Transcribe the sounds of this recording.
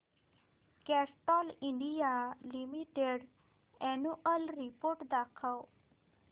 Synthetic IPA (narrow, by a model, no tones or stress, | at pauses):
kɛsʈɔliɳɖijalimiʈeɽ | ɛnuəlɾipoɾʈd̪akʰəw